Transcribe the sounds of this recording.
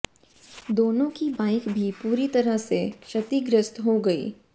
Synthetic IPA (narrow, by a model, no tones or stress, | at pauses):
d̪oːnõkibãːɪkbʱipuːɾit̪ɐɾəɦseʃɐt̪iɡɾəst̪ɦoɡɐḭː